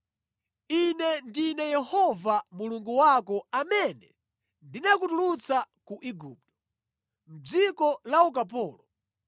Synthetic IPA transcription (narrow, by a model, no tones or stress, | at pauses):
inɛndinɛjɛhɔvamuluŋɡuwakɔamɛnɛ | ndinakutulut͡sakuʔiɡuːp̚tɔ̥ | m̩d͡zikɔlauk̬ap̬ɔːlɔ